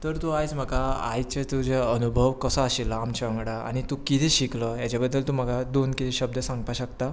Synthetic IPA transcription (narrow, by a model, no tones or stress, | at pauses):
t̪əɾt̪uajt͡sm̤əkaa̰jt͡ɕət̪ud͡ʑaənubʱəʋkəsəaɕilamt͡ɕə̃ŋɡɽaa̰ɽ̃it̪ukit̪ʰiɕikləjat͡ɕjabəd̪ːəlt̪um̤əɡad̪onkit̪ʰiɕəb̚d̪əsãŋɡ̚paɕəkt̪a